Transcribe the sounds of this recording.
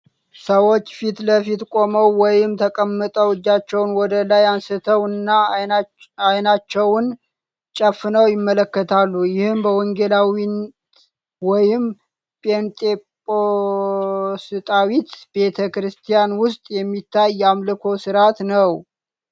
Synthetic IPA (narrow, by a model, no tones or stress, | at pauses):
səwo̞t͡ʃːfit̪ləfit̪kʼo̞məwːɔjɪmt̪ʰəkʼəmːɨt̪ʼəwɨd͡ʒːat͡ʃːɛwnwɔd̪əlajansɨt̪ʰəwnːa | ajnat͡ʃːɛwn | t͡ʃʼəfːnəwjɪmːələkːət̪ʰalːujɪhɨmbəwɔŋɡelawin | wɔjɪm | pʼent̪ʼepʼo | sɨt̪ʼawit̪b̥e̞t̪ʰəkɾɨst̪ʰijanwʊst̪ʼjɛmːit̪ːajːamlɨkʰo̞sɨɾat̪nəw